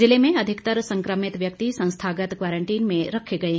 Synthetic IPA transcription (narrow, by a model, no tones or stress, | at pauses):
zɪlemẽɐd̪ʱɪkt̪əɾsə̃ŋkɾəmɪt̪ʋjɐkt̪isɐ̃w̃st̪ʰaɡət̪kʋaːɾəɳʈiːnmẽɾəkʰeɡɐe